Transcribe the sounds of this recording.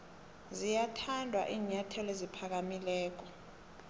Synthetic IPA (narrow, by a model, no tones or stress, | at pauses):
zijatʰandʱwa̰ʔiːɲatʰɛlezipʰak̬amilɛːk̬ɔ